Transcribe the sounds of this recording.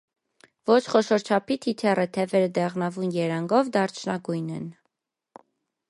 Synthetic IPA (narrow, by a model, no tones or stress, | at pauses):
vɔt͡ʃʰχɔʃɔɾt͡ʃʰɑpʰit̪ʰit̪ʰɛrət̪ʰɛvɛɾəd̪ɛʁnɑvunjɛɾɑŋɡɔvd̪ɑɾt͡ʃʰnɑɡujnɛn